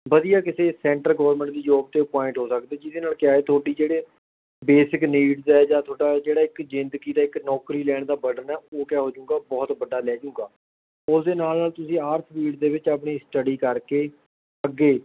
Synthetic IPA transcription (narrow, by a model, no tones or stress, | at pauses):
bəd̪ijaːkɪseːsɛ̃ːɳʈəlɡəʋəɾmɛ̃ɳʈd̪iːd͡ʒoːb̚t̪eːpɔːɪ̃ɳʈɦoːsəkd̪eːd͡ʒɪd̪eːnaːlkɪjaːeːt̪ʰoːɽiːd͡ʒeːɽeː | beːsɪkniːɖzɛːd͡ʒaːt̪ʰoːɖaːd͡ʒeːɽaːɪkd͡ʒɪnd̪ɡiːd̪aːɪknɔːkɾiːlɛːɳ̃d̪aːbəɖənɛːoːkɛːɦoːd͡ʒʊ̃ːɡaːbɔːt̪bəɖaːlɛːd͡ʒʊ̃ːŋɡaː | ʊsd̪eːnaːlnaːlt̪ʊsĩːaːɾsʰpiːɖd̪eːʋɪt͡ʃap̬ɳiːsʈəɖiːkəɾkeː | əɡːeː